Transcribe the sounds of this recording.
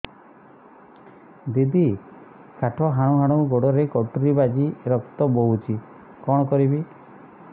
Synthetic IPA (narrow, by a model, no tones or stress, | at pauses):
d̪id̪i | kaʈʰɔɦaɽ̃uɦaɽ̃uɡoɽɔɾekɔʈɾibad͡ʒiɾɔkt̪ɔboɦut͡ʃʰi | kɔɽ̃ɔkɔɾibi